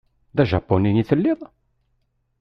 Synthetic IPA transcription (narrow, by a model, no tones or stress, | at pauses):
ðæʒɑ̰pːoniniθəlːɪðˤ